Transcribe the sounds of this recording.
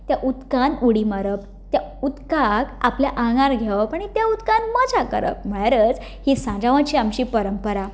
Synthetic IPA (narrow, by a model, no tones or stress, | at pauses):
t̪jaʔut̪kanuɽimaɾəp | t̪jaut̪kakapljaʔãŋɡaɾɡʱeʋapaɳ̃it̪jaut̪kanməd͡ʑakə̰ɾə̰p̚m̤əɽaɾət͡s | hisãd͡ʑaʋãt͡ɕiːamɕiːpəɾəmpəɾa